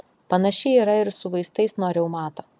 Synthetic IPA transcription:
pɐnɐʃʲɪiːɾɐɪɾsʊʋɐɪst̪ɐɪsnoːɾʲɛʊmɑːt̪oː

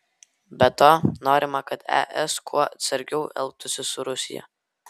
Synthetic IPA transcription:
bʲɛt̪oːnoːɾʲɪmɐkɐt̪ɛ̰ʔɛskʰuɔɐt̪sɐɾʲɡʲɛʊʔɛ̰lˠp̚t̪ʊsʲɪsʊɾʊsʲɪ̰jɛ̰

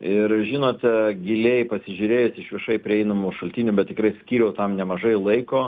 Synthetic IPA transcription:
ɪrʒʲɪːnoːt̪ʲɡʲɪlʲejpɐsʲɪʒʲʊɾʲeːjʊsʲɪʃʋʲɪʃɐɪpʲɾʲɪɛɪnɐmuʃɐlʲt̪ʲiːnʲʊbʲɛt̪tʲɪkɾɐɪsʲkʲiːɾʲɛʊt̪ɐmnʲɛmɐʒɐɪlˠɐɪkoː

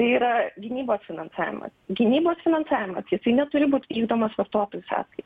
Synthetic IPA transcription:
t̪ɐɪiːɾɐɡʲɪnʲiːboːsfʲɪnɐnsɑːʋʲɪ̰mɐ̰sɡʲɪnʲiːboːsfʲɪnɐnsɑːʋʲɪmɐsjɪsɐɪnʲɛt̪ʊɾʲɪbuːt̪ʲʋʲiːɡd̪oːmɐsʋɐrt̪oːt̪oːjʊsɑ̰ːskɐɪt̪

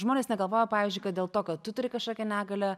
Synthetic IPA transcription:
ʒmoːnʲeːsnʲɛɡɐlˠʋoːjɛpɑːʋʲiːzʲd͡ʒʲʊɪkɐt̪̚dʲeːlˠt̪oːkɐt̪t̪ʊt̪ʊɾʲɪkɐʃkoːkʲɛnʲæːɡɐlʲɛ

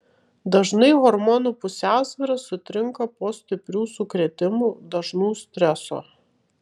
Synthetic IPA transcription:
d̪ɐʒnɐɪʋɔɾmɔːnuːpʊsʲæˑʊsʲʋʲɪɾɐsʊt̪ʲɾʲɪŋkɐpoːsʲt̪ʲɪpʲɾʲuːsʊkɾʲɛt̪ʲɪmuːd̪ɐʒnuːsʲt̪ʲɾʲɛso̰ː

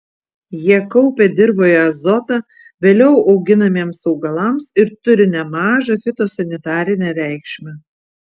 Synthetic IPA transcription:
jiɛkɔʊpʲed̪ʲɪɾboːjɛɐzɔt̪ɐ | ʋʲeːlʲɛʊʔɒʊɡʲɪnɐmʲeɛmsɒʊɡɐlˠɐˑmsɪɾt̪ʊɾʲɪnʲɛmɑːʒɐfʲɪt̪oːsɐnʲɪt̪ɑːɾʲɪnʲɛɾʲæˑɪkʃʲmʲɛ

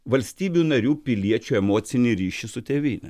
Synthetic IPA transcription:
ʋɐlʲsʲt̪ʲiːbʲunɐɾʲuːpʲɪlʲiɛt͡ʃʲuːɛmoːt̪sʲɪnʲɪɾʲiːʃʲɪsʊt̪ʲeːʋʲiːnʲɛ̰

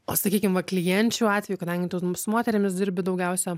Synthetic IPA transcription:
oːsɐkʲiːkʲɪmʋɐklʲɪjɛnʲt͡ʃʲuːɑːt̪ʲʋʲɛjukɐd̪ɐŋʲɡʲɪt̪oːsmoːt̪ʲɛɾʲɪmʲɪsd̪ʲɪɾʲbʲɪd̪ɐʊɡʲɛʊsʲɛ

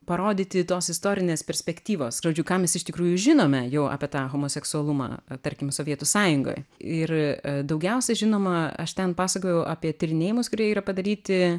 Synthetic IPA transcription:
pɐɾoːd̪ʲiːt̪ʲɪt̪oːsɪst̪oːɾʲɪnʲeːspʲɛɾʲsʲpʲɛkʲt̪ʲiːʋoːsʒoːd͡ʒʲʊkɑːmʲɛsɪʃt̪ʲɪkɾuːjʊʒʲɪnoːmʲɛjɛʊ̰ːpʲiɛt̪ɑːɣoːmoːsʲɛksʊɐlˠʊmɑ̰ːt̪ɐɾʲkʲɪmsoːʋʲiɛt̪ʊsɑːjʊŋɡo̰ːjɪrd̪ɐʊɡʲɛʊsʲɛʒʲɪnoːmɐɐ̰ʃt̪ʲɛnpɑːsɐkoːjɛʊʔɑːpʲiɛt̪ʲɪɾʲɪnʲeːjɪmʊskʊɾʲiɛiːɾɐpɐd̪ɐɾʲiːt̪ʲɪ

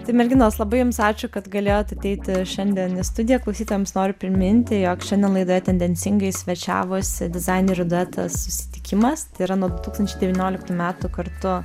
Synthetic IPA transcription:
t̪ɐɪmʲɛɾʲɡʲɪnoːslˠɐbɐɪjʊmsɑːt͡ʃʲʊkɐt̪ɡɐlʲeːjoːt̪ɐt̪ʲɛɪt̪ʲɪʃʲɛnʲd̪ʲɛnɪst̪ʊd̪ʲɪjɛklˠɐʊsʲiːt̪oːjɔmsnoːɾʲʊpʲɾʲɪmʲɪnʲt̪ʲɪjoːkʃʲɛnʲd̪ʲɛnlˠɐɪd̪oːjɛt̪ʲɛnʲd̪ʲɛnʲsʲɪŋɡɐɪsʲʋʲɛt͡ʃʲæ̰ːʋʊsʲɪd̪ʲɪzɐɪnʲeɾʲʊd̪ʊɛt̪ʰɐ̰ssʊsʲɪ̥t̪ʲɪkʲɪmɐst̪ɐɪiɾɐnuɔd̪ʊt̪uːkst̪ɐnʲt͡ʃʲɛɪd̪ʲɛʋʲinʲoːlʲɪkt̪uːmʲæːt̪uːkɐrt̪ʊ

